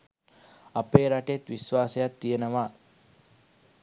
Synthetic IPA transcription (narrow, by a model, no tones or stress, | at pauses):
apeːɾaʈet̪ʋisʋaːsəjat̪ːijenəʋaː